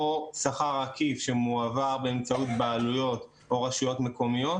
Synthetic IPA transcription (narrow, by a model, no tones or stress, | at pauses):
osaχaʁakifʃemuavaʁbeemt͡saut̪̚baːlujo̞t̪ | o̞ʁaʃujo̞t̪me̞ko̞mijo̞